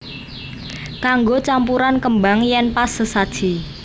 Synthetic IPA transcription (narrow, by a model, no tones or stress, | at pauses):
kaŋɡot͡ʃampuɾankəmbaŋjɛnpasəsad̥ʒ̥i